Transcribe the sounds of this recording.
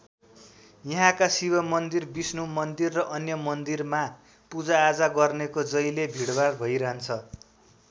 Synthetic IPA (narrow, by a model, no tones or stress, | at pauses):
jʌɦãkasibʌmʌnd̪irbisnumʌnd̪irːʌʔʌnjʌmʌnd̪irma | pud͡zaːd͡zaɡʌrnekod͡zʌjlebʱiɽbarbʱʌjɾaɦʌnt͡sʰʌ